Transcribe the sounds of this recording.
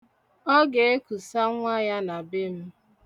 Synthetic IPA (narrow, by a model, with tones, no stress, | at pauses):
ɔ˦ɡe˨e˦ku˨sa˦ŋʷa˦ja˦na˨bɪ˦m̩˦